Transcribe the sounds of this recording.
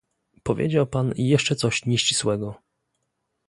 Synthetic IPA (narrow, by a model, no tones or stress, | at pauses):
pɔvʲjḛd͡ʑawpanjɛʂt͡ʂɛt̪sɔɕɲɛɕt͡ɕi̥swɛɡɔ